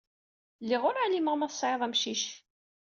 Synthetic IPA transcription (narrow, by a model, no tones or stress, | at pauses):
lːiʁʊɾaliməʁmæθsˤːʕeðˤæmʃiʃ